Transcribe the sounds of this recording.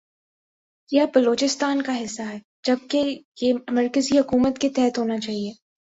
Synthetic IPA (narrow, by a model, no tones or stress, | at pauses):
jɛbɐloːt͡ʃɪst̪aːnkaɦɪsːaɦɛː | d͡ʒɐb̚kejemɐɾkəziɦʊkuːmət̪ket̪ɛɦət̪ɦoːnat͡ʃaːɦieː